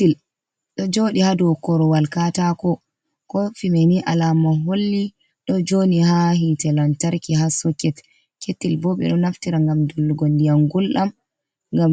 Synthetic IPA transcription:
il | ɗɔd͡ʒoɗihadɔwkɔɾɔwalkatakɔ | kɔfimeniʔalamaɦolːi | ɗɔd͡ʒonihaɦitɛlantaɾkihasɔkːɛt | ketːilbɔɓɛ̰ɗɔnaftiɾaŋɡamdɔlːuɡondijaŋɡulɗam | ŋɡam

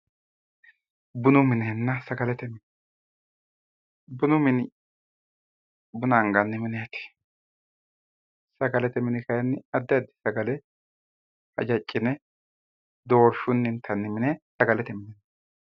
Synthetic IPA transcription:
bʊnʊmɪnɛnːɐsɐɡɐlɛt̪ɛmɪn | bʊnʊmɪnɪ | bʊnaŋɡɐnːɪmɪnɛjɐt̪e̥ | sɐɡɐlɛt̪ɛmɪnɪkɐjɐnːɪɐd̪ːɛɐd̪ːɪ̥sɐɡɐlɛ | hɐ̰d͡ʒɐt͡ʃʼːɪnɛ | d̪o̞ːɾʃʊnːɪnt̪ʰːɐnːɪmɪnɛsɐɡɐlɛt̪ɛmɪnɛnːɐ

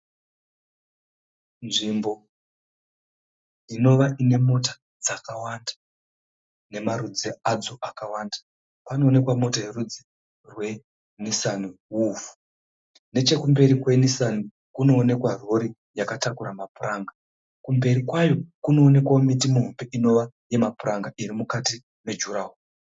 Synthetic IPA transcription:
nʐiːmbo̞ | dino̞ʋaʔine̞mo̞tḁ | d͡zakawandḁ | ne̞maɾud͡ziad͡zo̞ʔakawaːnda | pano̞ːne̞kwamo̞tajeɾud͡zi | rwe̞ | nisaniwuːfu̥ | ne̞t͡ʃe̞kumbe̞ɾikwe̞nisani | kuno̞ːne̞kwaro̞ɾi | jakatakuɾamapuraːŋɡa | kumbe̞ɾikwajo̞kuno̞ːne̞kwaomitimuɦombeʔino̞ʋa | je̞mapuraŋɡaʔirimukati | ne̞d͡ʒuɾaɦu

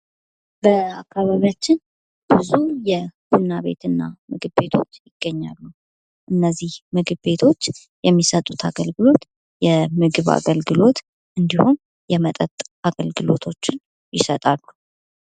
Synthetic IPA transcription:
bəakːaβaβijat͡ʃːɪn | b̥ɨzujɛb̥ulnaβe̞̰t̪ɨnːa̰mɨɡɨβbe̞t̪ʰo̞t͡ʃːjɪɡ̥ːəɲːalːu | ʔɨnːəzːihmɨɡɨβbe̞t̪ʰo̞t͡ʃː | jɛmːisət̪ʼut̪ʰaɡəlɡɨlo̞t̪ | jɛmɨɡɨβa̰ɡəlɡɨlo̞t̪ | ʔɨnd̪ihun | jɛmət̪ʼət̪ʼʔaɡəlɡɨlo̞t̪ʰo̞t͡ʃːɪn | jɪsət̪ʼalːu

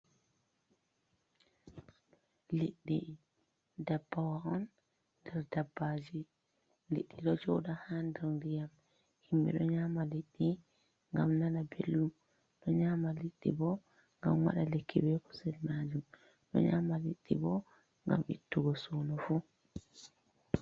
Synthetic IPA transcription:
liɗːi | dabːawaɔnː | dɛɾdabːad͡ʒi | liɗːiɗɔd͡ʒɔwɗahandɛɾndijam | himbḭɗɔɲaːmaliɗːi | ŋɡamnanabelːum | ɗɔɲamaliɗːḭbɔ | ŋɡa̰mwa̰ɗalekːibɛkʰɔ̥sɛlmaːd͡ʒum | ɗɔ̰ɲamaliɗːḭbɔ | ŋɡa̰mʔḭtːuɡɔsuːnɔfu

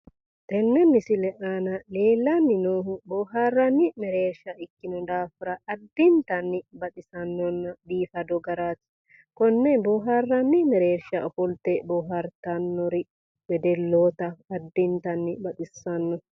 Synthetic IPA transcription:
t̪ɛnːɛmɪsɪlɛʔanɐle̞ːlːɐnːɪnoːɦʊboːɦaːrːɐnːɪmɛɾeːɾʃɐɪkːɪnɔd̪aːfɪɾɐʔːd̪ːɪnt̪ɐnːɪbɐt̪ʼɪsɐnːɔnːɐb̪iːfɐd̪ɔɡɐɾat̪ | kɔnːɛbɔːɦarːɐnːɪmɛɾe̞ːɾʃɐʔɔfɔlt̪ɛbɔːɦɐɾt̪ɐnːɔɾɪ | bɛd̪ɛlːoːt̪ɐːd̪ːɪnt̪ɐnːɪbɐt̪ʼɪsːɐnːɔ

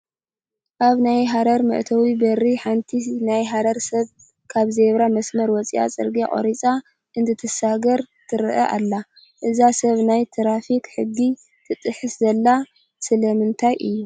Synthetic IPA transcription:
ʔaβnajɦaɾɐɾmɐ̰ʔt̪ʰɐwibɐrːiħant̪ʰinajɦaɾɐɾsɐβ | kʰaβzeβɾamɐsmɐɾwɔt͡sʼḭʔa̰t͡sʼɨ̰ɾɡeχʼo̰ɾit͡sʼa | ʔɨnt̪ʰɨt̪ʰɨsaɡɐɾt̪ʰɨɾʔɐʔa̰lːa | ʔɨzasɐβnajt̪ʰɾafikħɨɡːi | t̪ʰɨt̪ʼɨħɨszɐlːa | sɨlɐmɨnt̪ʰajʔɨjːu

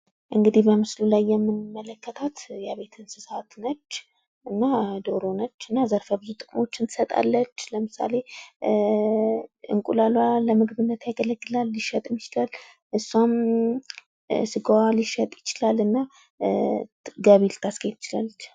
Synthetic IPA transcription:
ʔɨŋɡɨd̪ihbəmɨslulajːɛmːɨnmːələkʰːət̪ʰat̪jaβe̞t̪ʰɨnsɨsat̪nət͡ʃː | ʔɨnːad̪o̞ɾo̞nət͡ʃːɨnːazəɾfəbɨzut̪ʼɨkʼmo̞t͡ʃːɨnt̪ɨ̥sət̪ʼa̰lːət͡ʃːləmɨsa̰le̞ | ɨ̰ŋkʼulalwaləmɨɡbɨnːət̪jaɡələɡːɨlalːiʃət̪ʼɨmjɪt͡ʃɪlal | ʔɨsːuam | sɨɡawaliʃət̪ʼjɪt͡ʃɪlalɨnːa | ɡaβilt̪ʰːasket̪ɪt͡ʃɪlalːət͡ʃː

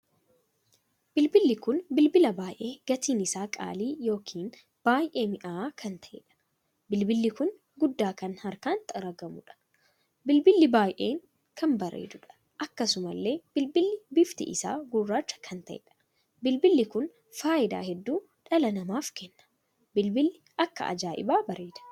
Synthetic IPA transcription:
b̥ɪlbɪlːɪkʊnbɪlbɪlɐbaːjʔe̞ːɡ̥ɐt̪iːnɪsaːkʼa̰ːliːjo̞ːkʰiːn | b̥aːjʔe̞ːmɪʔaaːkʰɐnt̪ɐʔɛ̰ᶑɐ̥ | bɪlbɪlːɪkʊn | ɡʊd̪ːaːkɐnhɐɾkaːnt̪ʼɐɾɐɡɐmʊᶑɐ̥ | bɪlbɪlːɪbaːjʔe̞ːŋ | kʰɐnbɐɾḛːd̪ʊᶑɐ̥ | ʔɐkːɐsʊmɐlːe̞ːb̥ɪlbɪlːɪbɪft̪ɪ̰ʔɪsa̰ːɡʊrːaːt͡ʃːɐ̥kʰɐnt̪ɐʔɛ̰ᶑɐ̥ | bɪlbɪlːɪkʊn | faːʔɪd̪a̰ːhɛd̪ːuː | ᶑɐlɐnɐmaːfkɛnːɐ̥ | bɪlbɪlːɪʔɐkːɐ̰ʔɐ̰d͡ʒaːʔɪ̰baːbɐɾeːᶑ̪ɐ̥

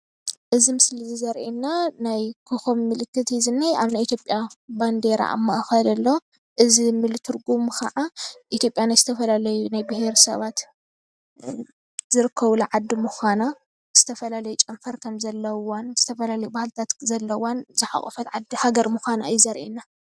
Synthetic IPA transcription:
ʔɨzimɨslizɨzɐɾʔinːanajkʰɨxomːɨlɨkːɨt̪jizɨnːajʔaβnaʔit̪ʰjo̞pʼjaband̪eɾa̰ʔa̰mːɐʔxɐd̪ɐlːo | ʔɨzimɨlt̪ʰɨɾɡumkʰɐʕaʔit̪ʰjo̞pʼjanajzɨt̪ʰɐfɐlalɐjunajbɨheɾsɐ̰βat̪ | zɨɾɨkʰːɐβulaʕad̪ːimuxana | z̥ɨt̪ʰɐfɐlalɐjut͡ʃʼɐmfɐɾkʰɐmzɐlːɐwonzɨt̪ʰɐfɐlalɐjubahlt̪ʰat̪zɐlːɐwonzɨħa̰χʼufɐt̪ʕad̪ihaɡɐɾmuxana̰jːuzɐɾʔinːa

